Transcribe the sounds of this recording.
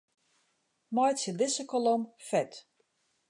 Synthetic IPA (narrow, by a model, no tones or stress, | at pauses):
mɔjtsjəlɪsəkɔlɔmfɛt